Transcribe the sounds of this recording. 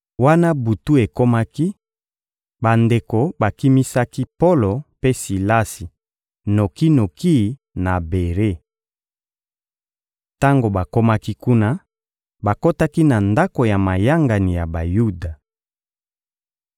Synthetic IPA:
wa˦na˦bu˨tu˦e˨ko˦ma˦ki˦ | ba˨nde˨ko˨ba˨ki˦mi˦sa˦ki˦po˦lo˨pe˦si˨la˦si˨ | no˨ki˦no˨ki˦˨ | na˨be˨ʁe˦˨ | ta˦ŋɡo˨ba˨ko˦ma˦ki˦ku˦na˦ | ba˨ko˦ta˦ki˦na˨nda˦ko˨ja˨ma˨ja˦ŋɡa˨ni˨ja˨ba˨ju˦da˨

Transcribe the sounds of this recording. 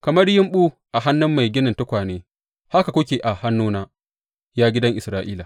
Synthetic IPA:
kɐ˨mɐ˦rjɪ˦mɓuː˦ | ʔa˨ɦa˦nːʊ˦mːa˨jɡʲɪ˦nɪ˨ntʊ˦kʷaː˨neː˦ | ha˦ka˨kʷʊ˦kʲeː˨ʔa˨ha˦nːuː˦naː˦ | jaː˦ɡʲɪ˦dɐ˦ŋʔɪ˨sɾaː˦ʔiː˦la˨

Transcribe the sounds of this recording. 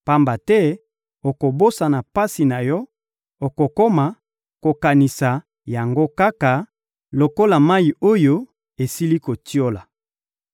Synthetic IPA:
pa˦mba˨tɛ˦ | o˨ko˨bo˦sa˨na˨pa˦si˨na˨jɔ˦ | o˨ko˨ko˦ma˨ | ko˨ka˨ni˨sa˨ | ja˨ŋɡo˦ka˦ka˨ | lo˨ko˦la˨ma˦i˨o˦jo˦ | e˨si˦li˦ko˨ti˦o˦la˨

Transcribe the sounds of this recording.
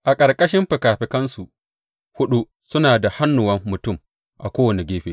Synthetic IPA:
ʔa˨kʼɐ˨ɾkʼɐ˦ʃɪ˦mɸɪ˨kaː˨ɸɪ˨kɐ˦nsu˨ | hʊ˦ɗu˦ | sʊ˦naː˨da˨ha˦nːʊ˨wɐ˦mːʊ˨tʊ˦˨m | ʔa˨kʷoː˦wɐ˨ni˨ɡʲeː˦ɸeː˦

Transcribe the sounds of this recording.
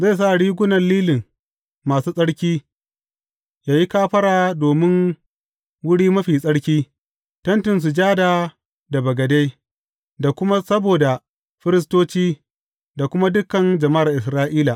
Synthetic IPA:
za˦˨s̬a˦ʔɽiː˦ɡʷʊ˦nɐ˨nliː˦lɪ˨ŋ | maː˨suː˦sʼɐ˦ɽkʲiː˦ | jaː˨ji˦kaː˦ɸɐ˦ɽaː˨doː˨mɪ˦ŋ | wʊ˦ɽiː˦mɐ˦ɸiː˨sʼɐ˦ɽkʲiː˦ | tɐ˦ntɪ˨ns̬u˨d͡ʒaː˦daː˨ | da˨bɐ˨ɡɐ˨de˦j | da˨kʷʊ˦ma˦sɐ˦boː˨da˨ | ɸɪ˦ɾɪ˦s̬toː˦t͡ʃiː˦ | da˨kʷʊ˦ma˦dʊ˦kːɐ˨nd͡ʒɐ˨ma˦a˨rʔɪ˨s̬ɾaː˦ʔiː˦la˨ʔ

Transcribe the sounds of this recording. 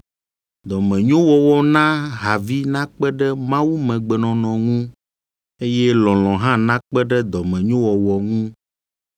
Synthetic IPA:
d̪ɔ˨mɛ̃˨ɲõ˦wɔ˨wɔ˨nã˦ɦa˨vi˦nã˦k͡pɛ˦ɖɛ˦mã˦wu˦mɛ̃˨ɡ͡bɛ˨nɔ̃˨nɔ̃˨ŋũ˦ | e˦jɛ˦lɔ̃˨lɔ̃˨ɦã˦nã˦k͡pɛ˦ɖɛ˦d̪ɔ˨mɛ̃˨ɲõ˦wɔ˨wɔ˨ŋũ˦

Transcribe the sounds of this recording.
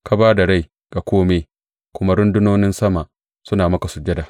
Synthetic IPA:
ka˦baː˦da˨ɽa˦j | ɡ̥a˨kʷoː˦meː˦ | kʷʊ˦ma˦ɽʊ˦ndʊ˦noː˦nɪ˦nsɐ˦ma˨ʔ | sʊ˦naː˨mɐ˦ka˨sʊ˨d͡ʒɐ˦da˨

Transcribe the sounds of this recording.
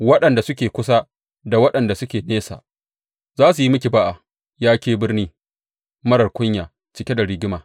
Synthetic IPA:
wɐ˦ɗɐ˨nda˨sʊ˦kʲeː˨kʷʊ˦s̬a˦ | da˨wɐ˦ɗɐ˨nda˨sʊ˦kʲeː˨neː˦sa̰ː˨ | zaː˦su˨ji˦mʊ˦kʲi˨ba˦ʔa˨ | jaː˦kʲeː˦bɪ˦rniː˦ | mɐ˦ɽɐ˨rkʷʊ˦ɲjaː˨ | t͡ʃɪ˨kʲe˦da˨ɽɪ˦ɡʲɪ˦maː˨

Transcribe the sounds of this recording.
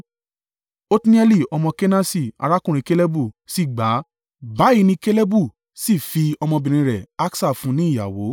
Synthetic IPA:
o˦ti˦nĩ˦ɛ˦li˦˨ɔ˧mɔ̃˧ke˦na˦si˦˨a̰˧ɾa˦kũ˦ɾ̃ĩ˧ke˦le˦bu˦˨si˦˨ɡ͡ba˨˦ | ba˨˦i˦˧nĩ˧ke˦le˦bu˦˨ | si˦˨fi˧ɔ˧mɔ̃˧bĩ˨ɾ̃ĩ˧ɾɛ˨a˦ksa˦˨fũ˨˦nĩ˨˦i˦˨ja˨wo˨˦

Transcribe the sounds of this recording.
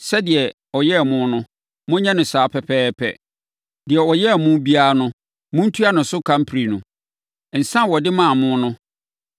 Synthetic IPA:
sɛ˦dɪ˨ɛ˨ | ɔ˨jɛ˦˨mʊ̃˦nʊ̃˦ | mʊ̃˦ɲã˦nʊ̃˨saː˨˦pʰɛ˨pʰɛː˦pʰɛ̰˨ | dɪ˨ɛ˨wɔ˨jɛ˦˨mʊ̃˦bi˦a˦nʊ̃˦ | mʊ̃˦n̩˦tʰu˦a˦nʊ̃˨sʊ˦kʰã˦m̩˦pʰɾi˨nʊ̃˨ | n̩˨sã˦˨wɔ˨dɪ˦mã˨mʊ̃˦nʊ̃˦

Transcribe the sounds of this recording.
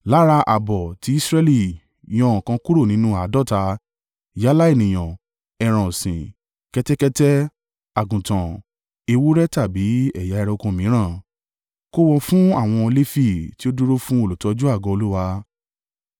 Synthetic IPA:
la˦ɾa˧ʔa˨bɔ˨ti˨˦i˦sɾɛ˧li˦˨ | j̃ɔ̃˦ɔ̃˨kã˧ku˦ɾo˦˨nĩ˨˦nũ˦a˨˦dɔ˦˨ta˧ | ja˨˦la˦e˦˨nĩ˨j̃ã˨ | ɛ˨ɾ̃ɔ̃˨sĩ˨ | kɛ˧tɛ˦kɛ˧tɛ˦ | a˨ɡũ˨tã˨ | e˧wu˦ɾɛ˦ta˦˨bi˨˦ɛ̰˦˨ja˨˦ɛ˧ɾɛ˧o˧kõ˧˨mĩ˨˦ɾ̃ã˦˨ | ko˦wɔ˧fũ˦a˦˨w̃ɔ̃˧le˦fi˦˨ti˦o˦du˦ɾo˦fũ˦o˦˨lo˨tɔ˨˧d͡ʒu˦a˦˨ɡɔ̃˧o˧lu˦wa˧

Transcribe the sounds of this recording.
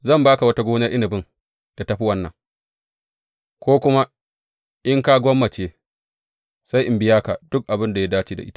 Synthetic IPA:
zɐ˦˨mbaː˦ka˨wɐ˦ta˦ɡʷoː˦na˦ʔɪ˦nɪ˨bɪ˦ŋ | d̥a˨ta˦ɸi˦wɐ˦nːɐ̰˨ŋ | kʷoː˦kʷʊ˦ma˦ | ʔɪ˦ŋka˦ɡʷɔ˦mːɐ˨t͡ʃeː˦ | sa˦jʔɪ˨mbɪ˦jaː˦ka˨d̥ʊ˦k̚ʔa˨bɪ˦nda˨ja˦daː˦t͡ʃiː˦da̰˨ʔɪ̰˦tḁ˦ʔ

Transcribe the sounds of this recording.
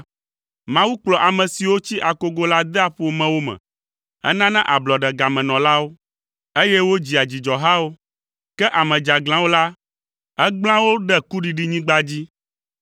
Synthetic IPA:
mã˦wu˦k͡plɔ˨ʔa˨mɛ̃˨si˨wo˦t͡ɕi˦ʔa˨ko˦ɡo˦la˦d̪ɛ˦a˦ɸo˦o˦mɛ̃˨wo˦mɛ̰̃˨ | ɛ̰˦nã˦nɛ̃˦ʔa˨blɔ˨ɖɛ˨ɡa˨mɛ̃˨nɔ̃˨la˦wo˦ | e˦jɛ˦wo˦d͡ʑi˨a˨d͡ʑi˨d͡ʒɔ˨ɦa˦wo˦ | kɛ˦ʔa˨mɛ̃˨d͡ʒa˨ɡl̃ã˦wo˦la˦ | ɛ˦ɡ͡bl̃ã˦wo˦ɖɛ˦ku˦ɖi˨ɖi˦ɲĩ˦ɡ͡ba˦d͡ʑi˦

